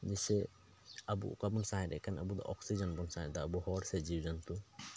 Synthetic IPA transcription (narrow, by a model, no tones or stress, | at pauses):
d͡ʒɛsɛ | əbṵkabɔnsaɛɾɛ̰ʔkanəbud̪ɔ̰ʔɔksid͡ʒənbɔnsaɦɛd̪ɔːbuhɔɾsɛd͡ʒiwd͡ʒant̪u